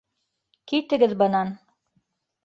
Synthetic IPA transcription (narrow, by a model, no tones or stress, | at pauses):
kit̪ɘ̆ɡɘðbɤ̆nɑn